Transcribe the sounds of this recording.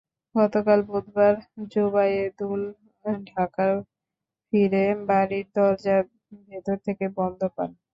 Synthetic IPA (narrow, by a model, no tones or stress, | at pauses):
ɡɔt̪okalbod̪baɾd͡ʑobajed̪ul | ɖʱakaɾ | fiɾebaɾiɾd̪ɔɾd͡ʑa | bet̪oɾt̪ʰekebɔnd̪ʱopa̰n